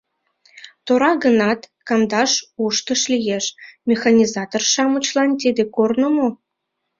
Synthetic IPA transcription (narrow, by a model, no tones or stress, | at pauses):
t̪oɾɑɣənɑt̪ | kɑmd̪ɑʃuʃt̪əʃlijeʃmʲexɑnʲizɑt̪orʃɑmət͡ɕlɑnt̪̬id̪ekornomo